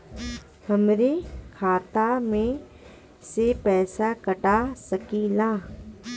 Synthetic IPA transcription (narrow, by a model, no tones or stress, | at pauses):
həmɾekʰaːt̪amẽ | sepɛːsakəʈasəkilaː